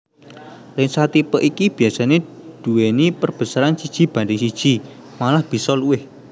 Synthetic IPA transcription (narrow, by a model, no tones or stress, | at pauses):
lɪŋsat̪ipəʔikib̥i̤jasaned̪̥ṳwenipərb̥ə̤saɾansid̥ʒ̥i̤b̥a̤ndɪŋsid̥ʒ̥i̤ | malahb̥i̤sɔluwɪh